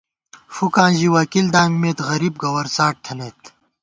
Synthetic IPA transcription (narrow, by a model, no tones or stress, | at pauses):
fukãːʑiwɐkild̪ãːŋɡmeːt̪ɣɐɾiːb̚ɡɐwɐɾsaːʈ̚t̪ʰɐnet̪